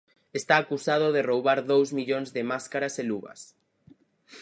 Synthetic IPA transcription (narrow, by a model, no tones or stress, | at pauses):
est̪aːkusað̞oðerowβaɾðowzmiʎoŋzðemaskaɾaseluβɐ̰s